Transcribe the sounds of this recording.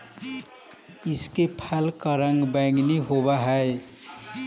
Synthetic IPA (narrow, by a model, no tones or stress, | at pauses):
iskepʰalkəɾãŋɡbaŋɡniɦobaɦəe